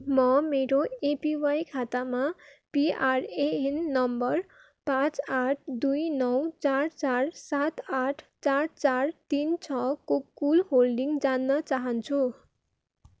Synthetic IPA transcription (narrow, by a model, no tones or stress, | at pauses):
mʌmeɾoepiwajkʰat̪amapiareenːʌmbʌr | pãt͡saʈʰd̪ujnʌwt͡sart͡sarsat̪aʈʰt͡sart͡sart̪int͡sʰʌkokulɦolɖiŋɡd͡zanːʌt͡saɦʌnt͡sʰu